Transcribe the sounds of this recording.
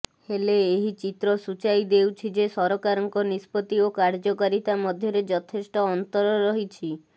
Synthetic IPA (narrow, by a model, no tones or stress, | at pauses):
heleːɦit͡ʃit̪ɾɔsut͡ʃajd̪ewt͡ʃʰid͡ʒesɔɾɔkaɾɔŋkɔnispɔt̪iokaɾd͡ʒɔkaɾit̪amɔd̪ʱjɔɾed͡ʒɔt̪ʰesʈɔːnt̪ɔɾɔɾɔɦit͡ʃʰi